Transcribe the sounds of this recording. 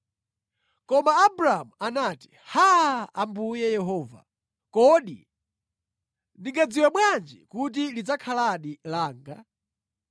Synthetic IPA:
kɔmaːbɾaamuanati̥ | haambujɛjɛɦɔːva̰ | kɔɗḭ | ndiŋɡad͡ziwaɓwand͡ʒikut̬ilid͡zakʰalaɗilaːŋɡa

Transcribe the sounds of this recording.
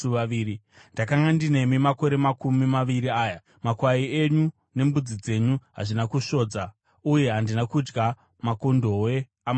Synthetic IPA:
uʋaiːɾi | ndakaŋɡandine̞mimako̞ɾe̞makumimaʋiɾiaːja | makwaie̞ɲu | ne̞mbud͡zid͡ze̞ɲuɦa̰ʐinakuʃo̞ːd͡za | uje̞ɦandinakud͡ʒɡa | makondo̞we̞ | am

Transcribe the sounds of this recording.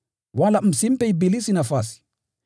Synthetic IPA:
walam̩sim̩pɛibilisinafasi̥

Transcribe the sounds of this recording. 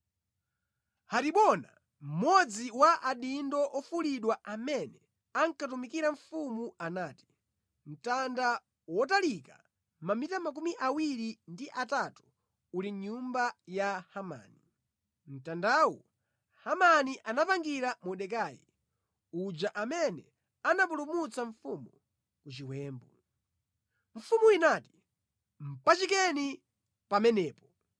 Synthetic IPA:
hatiɓɔna | m̩mɔd͡ziwaʔaɗindɔʔɔfuliɗwaamɛnɛ | aŋkatumikiɾaɱfumuanaːti̥ | m̩tanda | wɔtalika̰ | mamitamak̬umiʔawiɾindiʔatatu̥ː | liɲumbajahama̰ːni | m̩tandawɔ | hamaniʔanapaŋɡiɾamɔɗɛk̬aːjɛ̰ | ud͡ʒaʔamɛnɛ | anap̬ulumut͡saɱfumu | kut͡ʃiwɛːmbɔ | ɱ̩fumuinaːti̥ | m̩pat͡ʃikɛni | pamɛnɛːpɔ

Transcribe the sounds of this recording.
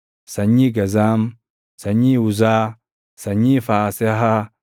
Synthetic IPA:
saɲiɡazam | saɲiuzaː | saɲifaseɦa

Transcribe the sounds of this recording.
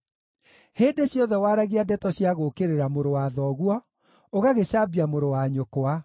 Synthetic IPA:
heːdeɕjɔðɛwaɾaɣiadɛtɔɕjaɣokeɾeɾamoɾowaðɔɣwɔ | oɣaɣeɕaːbiamoɾowaɲokoa

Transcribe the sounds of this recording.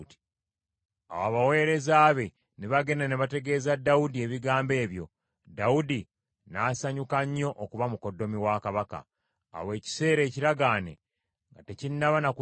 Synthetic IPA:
ti̥ | a̰waβawe̞ːɾe̞zaːβe̞ | neβaɡe̞naneβate̞ɡe̞ːzadːaudie̞βiɡaːmbe̞ːβjo̞̰ | daudi | naːsaɲukaɲːo̞ʔokuβamuko̞dːo̞miwakaβaka̰ː | we̞ːci̥se̞ːɾe̞ːciɾaɡaːne̞̰ | ŋɡate̞cinnaβanaku

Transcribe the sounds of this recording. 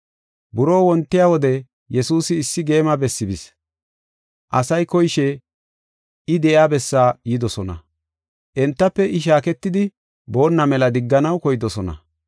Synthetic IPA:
bʊɾo̞ːwɔnt̪ːɪjawɔd̪ɛ | jɛsuːsɪːsːɪɡe̞ːmɐbɛsːɪbɪs | ʔɐsɐjkɔjʃɛ | ɪd̪ɛʔɪaːbɛsːaːjɪd̪ɔsɔnɐ̰ | ʔɛnt̪ːɐpːɛʔɪʃ̬aːkɛt̪ːɪd̪ɪ | bo̞ːnːɐmɛlɐd̪ɪɡːɐnɐwkɔjd̪ɔsɔnɐ̰

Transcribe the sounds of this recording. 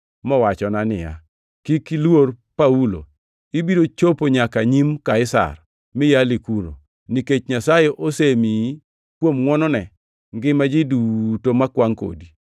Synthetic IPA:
mɔwat͡ʃɔnanɪ̰ja̰ | kikilwor | paulo̰ | ibidot͡ʃopoɲakaɲimkaɪsa̰r | mɪjalikuɾo̰ | niket͡ʃɲasajɛʔosemi | kwomŋwɔnɔnɛ | ŋɡɪmad͡ʒɪdutomakwaŋko̰di

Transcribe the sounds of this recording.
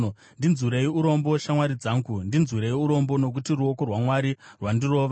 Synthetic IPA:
ndinzuɾeiuɾo̞mbo̞ʃamwaɾid͡zaːŋɡundinzuɾe̞iuɾo̞mbo̞no̞k̬utiruokorwamwaɾirwandiro̞ːʋa

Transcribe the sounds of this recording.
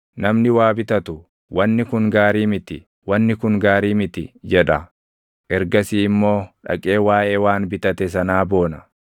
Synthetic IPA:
nɐmnɪwaːbɪt̪ɐt̪ʊ | wʔɐnːɪkʊŋɡaːɾiːmɪt̪ɪ̰ | wɐnːɪkʊŋɡaːɾiːmɪt̪ɪd͡ʒɛᶑɐ | ʔɛɾɡɐsiːɪmːo̞ːᶑɐ̰kʼe̞ːwaːʔe̞ːwaːnbɪt̪ɐt̪ɛs̬ɐnaːbo̞ːnɐ

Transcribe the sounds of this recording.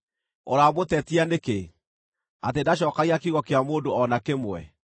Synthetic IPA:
ɔ̰ɾamotɛtianeke | atedaɕ̬ɔːkaɣiakiɣɔkeamoːndoɔnakemwɛ̰

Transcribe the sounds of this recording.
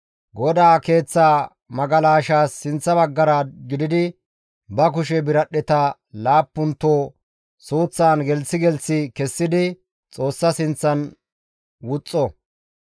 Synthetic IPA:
ɡɔd̪aːke̞ːt͡sːaː | mɐɡɐlaːʃaːsːɪnt͡sːɐbɐɡːɐɾaɡɪd̪ɪd̪ɪ | bɐkʊʃɛbɪɾɐɗɛt̪ɐ | laːpːʊnt̪ːoː | soːt͡sːaːnɡɛlsɪɡɛlsɪkɛsːɪd̪ɪ | t͡sʼo̞ːsːɐsɪnt͡sːɐn | wʊt͡sʼːɔ

